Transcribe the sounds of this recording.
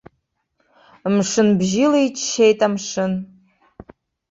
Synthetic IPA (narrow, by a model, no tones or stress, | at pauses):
mʂɨnbʒileit͡ʃʰʼʃejtʼamʂɨn